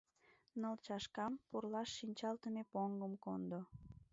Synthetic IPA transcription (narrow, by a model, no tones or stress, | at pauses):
nəlt͡ɕɑʃkɑmpurlɑʃːinʲt͡ɕɑlt̪əmepoŋɡəmkond̪o